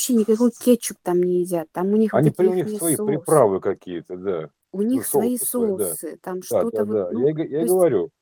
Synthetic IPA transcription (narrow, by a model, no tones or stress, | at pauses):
ɐpɕːenʲɪkɐko̞jkʲet͡ɕːɪk̚t̪amnʲɪjɪzʲat̪ːamʊnʲixɐnʲipɾʊnʲixsvɐjippɾʲɪpɾavɨkɐkʲijət̪əd̪a̰ | ʊnʲixsvɐisod̪asɨt̪amʂt̪ad̪od̪t̪əvd̪ajaɡjaɡəvɐɾʲu